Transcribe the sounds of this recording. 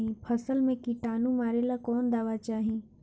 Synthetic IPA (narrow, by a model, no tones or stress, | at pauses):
ĩpʰɐsəlmẽkiʈaːnũmaːɾelakɔːnd̪aːʋat͡ʃaːɦĩ